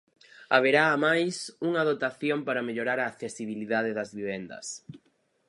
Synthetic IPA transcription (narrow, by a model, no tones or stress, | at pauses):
aβ̞eɾaːmajsuŋaðot̪aθjompaɾɐmeʎoɾaɾaːkθesiβ̞iliðað̞ɪðɐzβiβ̞ɛnd̪ɐ̰s